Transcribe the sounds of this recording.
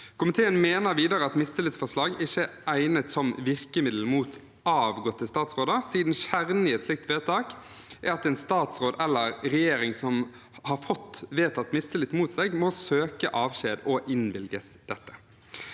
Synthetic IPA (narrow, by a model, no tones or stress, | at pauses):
kʰʊmɪt̪ʰeːənmeːnəɾʋiːd̪əɾəɑt̪mɪst̪ɪlət̪sfɔʂlɑːɡɪçəæɪnət̪sɔmʋɪʁkəmɪd̪l̩muːt̪ | ɑːʋɡɔt̪ːəst̪ɑːt̪sʁoːd̪ɑsiːd̪n̩ʃæʁnɪɛt̪slɪk̚t̪ʋeːt̪ʰɑːk | ʔæɾɑt̪ɛɪnst̪ɑːt̪sɾoːd̪ɛlːəɾɾɛjeːɾɪŋsɔm | hɑɾfɔt̪ːʋeːt̪ɑt̪mɪst̪əlɪt̪muːt̪sɛɡmɔːsøːkəʔɑːʋɕeːd̪ɔʔɪnʋɪlɡəsd̪̥ɛt̪ːə̥